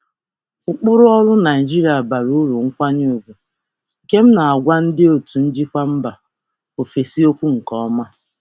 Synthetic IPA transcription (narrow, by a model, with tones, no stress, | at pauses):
ʊ˨k͡pʊ˦ɾʊ˦ɔ˦lʊ˦na˨i˨d͡ʒi˦ɾi˨a˨ba˨ɾu˦lu˨ŋ̩˦kʷa˦ɲu˦˨ɡu˨ | ke˦m̩˦na˨a˨ɡʷa˦n̩˦dɪ˦o˨tu˨n̩˦d͡ʒi˦kʷa˦m̩˦ba˨ | o˨fe˨si˦o˦kʷu˦ŋ̩˨kɔ˦ɔ˦ma˦